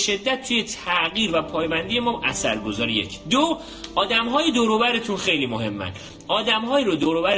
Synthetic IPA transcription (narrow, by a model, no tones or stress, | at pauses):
ʃe̞d̪ːæt̪̚ːʰuːje̞t̪ʰæʔɣiːɾvæpʰɒːjbænd̪ije̞mɒːʔæsæɾɡo̞zɒːɾeje̞̰cʰd̪o | ɒːd̪æmɦɒːjed̪oːɾobæɾet̪ʰunxe̞jliːmoɦe̞mːæ̰n | ʔɒːd̪æmhɒːiːɾod̪oɾobæɾ